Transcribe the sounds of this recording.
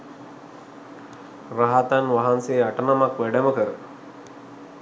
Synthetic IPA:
raɦat̪anʋaɦanseːaʈənamakʋæɖəməkəɾə

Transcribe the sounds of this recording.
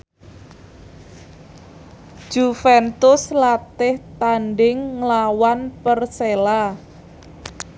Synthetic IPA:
d͡ʒ̥ufɛnt̪ʊslat̪ɪht̪anɖɪŋːlawanpərsela

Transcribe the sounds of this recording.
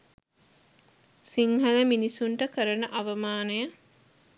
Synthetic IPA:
siŋɦɐləminisuɳʈəkəɾənəʔaʋɐmaːnəjə

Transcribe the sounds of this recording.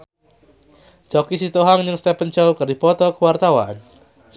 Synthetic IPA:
t͡ʃɔkisit̪oɦaŋɲəŋst̪ɛpənt͡ʃaukərdipɔt̪ɔkəwart̪awa̰n

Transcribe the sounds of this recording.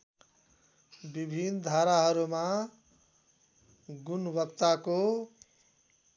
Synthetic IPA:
bibʱind̪ʱaɾaɦʌɾuma | ɡunbʌk̚t̪ako

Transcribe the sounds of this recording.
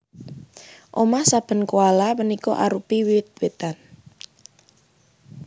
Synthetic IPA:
ʔomahsab̥ə̤nkualamənikɔʔaɾupiwiɪt̪̚wet̪an

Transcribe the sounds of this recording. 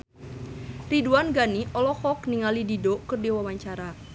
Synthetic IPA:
riduanɡaniʔɔlɔxɔkniŋalididokɨrdiwawaɲt͡ʃaɾa

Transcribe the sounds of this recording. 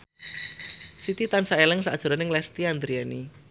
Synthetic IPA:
sit̪it̪ansaelɛŋsa̰d̥ʒ̥a̤ɾanɪŋlɛst̪iand̪ɾiani

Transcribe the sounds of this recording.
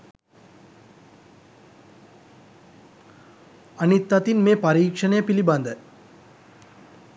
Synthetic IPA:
anit̪ːɐt̪inmeːpaɾiːkʂənəjəpiliband̪ə

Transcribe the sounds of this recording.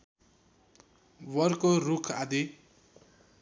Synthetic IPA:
wʌrkorukʰad̪i

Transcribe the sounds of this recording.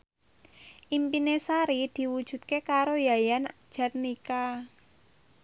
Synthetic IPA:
ʔimpinesaɾid̪̥i̤wud̥ʒ̥ṳt̪̚kekaɾojajand̥ʒ̥a̤t̪̚nika

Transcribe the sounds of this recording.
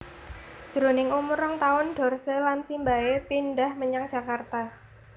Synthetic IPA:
d̥ʒ̥əɾonɪŋumuɾɔŋt̪aʊnɖ̥ɔ̤rsəlansimbaepinɖahməɲaŋdd͡ʒ̥a̤kart̪a

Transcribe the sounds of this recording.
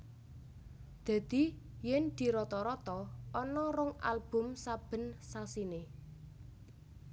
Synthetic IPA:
d̪̥ä̤d̪̥i | jɛnd̪̥i̤ɾɔt̪ɔɾɔt̪ɔɔnɔɾʊŋa̰lb̥ʊ̤msab̥ə̤nsasine

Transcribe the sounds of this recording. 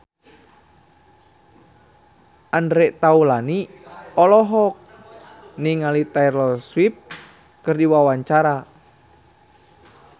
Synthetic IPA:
ʔandɾɛʔt̪aulaniɔlɔɦɔk̚ | niŋalit̪aiɾɔswip̚ | kɨrdiwawaɲt͡ʃaɾa

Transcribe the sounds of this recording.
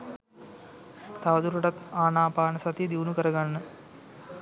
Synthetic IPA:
t̪ɐʋɐd̪uɾuʈɐt̪aːnaːpaːnɐsɐt̪id̪uːnukəɾɐɡanːə

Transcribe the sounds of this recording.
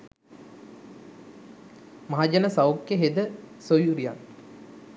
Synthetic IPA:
maɦad͡ʒanəsawkjeɦed̪əsojuɾija̰n

